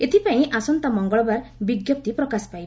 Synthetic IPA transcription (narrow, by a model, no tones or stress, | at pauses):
et̪ʰipaĩʔasɔnt̪ɔmɔŋɡɔɭɔbaɾbiɡjɔp̚t̪ipɾɔkaspajba